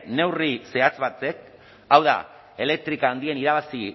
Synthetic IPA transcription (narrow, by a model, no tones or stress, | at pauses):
ne̞wrise̞at͡sβat͡s̪e̞k̚ | awða̰ | e̞le̞k̚t̪ɾikaːnd̪ie̞niɾaβ̞asi